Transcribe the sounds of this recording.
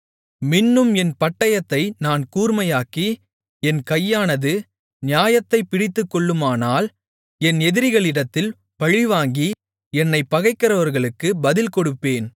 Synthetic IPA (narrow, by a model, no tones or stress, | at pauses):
mɪnːɯmɛnpɐʈːɐjɐt̪ːɐɪnaːnkuːɾmɐjaːkːi | ɛnkɐjːaːnɐðɯ | nɪjaːjɐt̪ːɐɪpːɪɽɪt̪ːɯkːɔɭːɯmaːnaːl | ɛnɛðɪɾɪɣɐɭɪɽɐt̪ːɪl | pɐɻɪʋaːŋɡi | ɛnːɐɪpːɐɣɐɪkːɐɾɐʋɐɾɣɐɭɯkːɯbɐðɪlkɔɽɯpːeːn